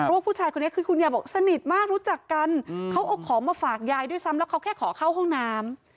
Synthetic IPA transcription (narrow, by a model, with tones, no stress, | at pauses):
waː˥˩pʰuː˥˩t͡ɕʰaː˧jkʰo˧nː˦˥kʰɯː˧kʰu˧njaː˧˩bɔː˨˩k̚sa˧ni˨˩t̪̚maː˥˩k̚ɾuː˦˥t͡ɕa˨˩kːa˧nkʰa˦˥wʔa˧˩wkʰːɔː˩˦maː˧faː˨˩k̚jaː˧jdu˥˩jsa˦˥mlɛː˦˥wkʰwkʰɛː˥˩kʰɔː˩˦kʰa˥˩wɦɔ˥˩ŋnaː˦˥m